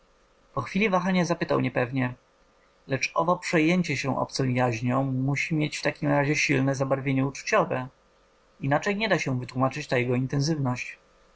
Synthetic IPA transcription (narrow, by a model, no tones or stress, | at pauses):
pɔxfʲilʲivaxaɲazapɘt̪awɲɛpɛvɲɛ | lɛt͡ʂɔ̰vɔpʂɛjeɲt͡ɕɛɕɛʔɔ̰p̚t̪sɔ̃w̃jaʑɲɔ̃w̃muɕimʲjet͡ɕft̪akʲimɾaʑɛɕilnɛzabaɾvʲjeɲɛut͡ʂu̥t͡ɕɔvɛ | inat͡ʂɛjɲɛd̪aɕɛvɘt̪wumat͡ʂɘt͡ɕt̪ajɛɡɔint̪ɛns̬ɘvnɔɕt͡ɕ